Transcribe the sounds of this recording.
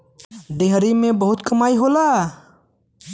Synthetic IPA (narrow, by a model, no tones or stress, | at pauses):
ɖeɦɾimẽbɐɦʊt̪kɐmaːiɦoːlaː